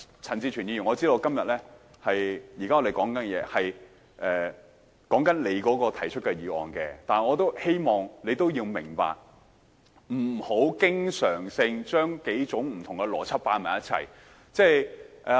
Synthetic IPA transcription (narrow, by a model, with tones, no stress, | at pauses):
t͡sʰɐ˨˩nt͡siː˧t͡ʃʰy˨˩nji˧y˨˩ŋɔː˨˧t͡si˥d̪o˧wkɐ˥mjɐ˨t̚lɛː˥ | hɐ˨jjiː˨kaː˥ŋɔ˨˧d̪e˨˩jkɔː˨˥ŋkɐ˨˥n˧jɛː˨˧hɐ˨j | ʔɛː˨ | kɔː˨˥ŋkɐ˨˥nle˨˧jkɔː˨˥kɔː˧t̪ʰɐ˨˩jt͡ʃʰɵ˥t̚kɐ˧jiː˨˧wɔ̰ː˨nkɛː˧t̪aː˨n˨˩ŋɔː˨˧t̪o˥whe˥jmɔː˨ŋle˨˧jt̪o˥wjiː˧wmɪ˨˩ŋpa̰ː˨k̚ | m̩˨˩ho˨˥wkɪ˥ŋsœː˨˩ŋsɪ˧ŋt͡ʃœː˥ŋke˨˥jt͡sʊ˨˥ŋm̩˨˩t̪ʰʊ˨˩ŋkɛ˧lɔ̰ː˨˩t͡sʰɐ˥t̚paː˧˥mɐ̰ː˨˩jɐ˦˥t̚t͡sʰɐ̰˨˩j | t͡sɛː˥˩jʔɛ˨˧